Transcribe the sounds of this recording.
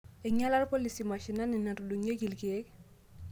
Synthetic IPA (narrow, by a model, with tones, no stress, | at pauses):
ɪ˨ɲa˦la˦rpo˦li˨si˨ma˨ʃi˨na˦ni˨na˨to˨du˨ŋe˦ɡi˨lki˨e˦k